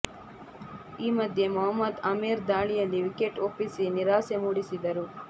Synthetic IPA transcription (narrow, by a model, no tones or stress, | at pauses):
iːmɐd̪ʱje̞mɐɦɐmːɐd̪ɐmiːɾd̪aːɭijɐlːiʋike̞ʈopːisiniɾaːsemuːɽisid̪ɐɾu